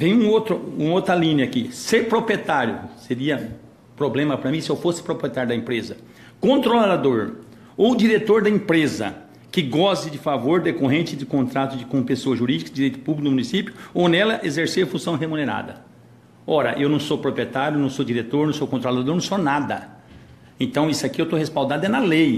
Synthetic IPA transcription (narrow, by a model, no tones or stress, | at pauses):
vẽj̃ũowt̪ɾʊũowt̪ɾɐlĩnɐakisepɾopiet̪aɾjʊ̰seɾiɐ | pɾoblẽmɐpɾɐmĩsɪewfosɪ̥pɾopɾiet̪aɾjʊd̪ɐẽmpɾezɐ | kõnt̪ɾolad̪oɾ | owd͡ʒiɾet̪oɾd̪ɐẽpɾezɐ̰ | kɪɡɔzɪd͡ʒɪfavoɾd̪ekoɦẽnt͡ʃɪd͡ʒɪkõnt̪ɾat̪ʊɪkõpesoɐʒuɾid͡ʒikɐd͡ʒiɾejt̪ʊ̥publikʊd̪ʊmũnisipjʊownɛlɐʔezeɾseɾfũsɐ̃w̃ɦemũneɾa̰d̪ɐ̰ | ɔɾɐ̰ʔewnɐ̃w̃sopɾopɾiet̪aɾjʊnɐ̃w̃sod͡ʒiɾet̪oɾnɐ̃sowkõnt̪ɾolad̪oɾnɐ̃w̃sonad̪ɐ̰ | ẽnt̪ɐ̃w̃isʊakiewt̪oɦespawd̪ad̪ɛnɐlej